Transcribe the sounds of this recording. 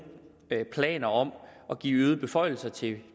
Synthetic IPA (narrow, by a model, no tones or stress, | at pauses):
pʰlɛ̰ːnɐɒ̽mɒ̽ɡ̥ḭːyːð̞̩ˠb̥e̝fɒ̽ɪl̩sɐt͡sʰe̝